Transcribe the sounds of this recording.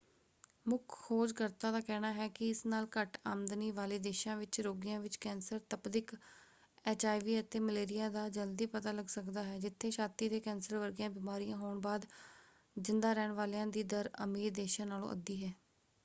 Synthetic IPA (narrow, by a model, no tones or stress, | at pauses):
mʊkʰːoːd͡ʒkəɾt̪ãːd̪aːkɛːnaːɦɛːkɪɪsnaːlkəʈaːmd̪niːʋaːleːd̪eːʃãːʋɪt͡ʃɾoːɡɪjãːʋɪt͡ʃkɛːnsəɾt̪əpd̪ɪk | eːt͡ʃaːiʋiːət̪eːməleːɾɪjãːd̪aːd͡ʒəld̪iːpət̪aːləɡsəkd̪aːɦɛːd͡ʒɪt̪ʰːeːʃaːt̪iːd̪eːkɛːnsəɾʋəɾɡjãːbiːmaːɾijãːɦoːɳbaːd̪ | d͡ʒɪnd̪aːɾɛːɳʋaːlejãːd̪iːd̪əɾəmiːɾd̪eːʃãːnaːlõ̰ːʔə̰d̪iːɦɛː